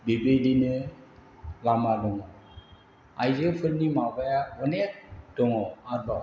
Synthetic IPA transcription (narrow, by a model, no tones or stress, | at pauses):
bebedinɯ | lamadɔŋɔ | ajzɯpʰɯɾnːimabajabɔnek̚d̥ɔŋɔadɔ